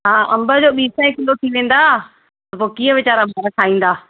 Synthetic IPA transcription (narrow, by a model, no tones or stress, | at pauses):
ɦãːʔɐ̃mbəd͡ʑoːɓiːsɐ̃ɪ̃kɪlot̪ʰiʋẽːn̆d̪aː | t̪ɐpoːkiːə̃ʋɪt͡ɕaːɾamʱəɾəkʰaːĩːn̆d̪aː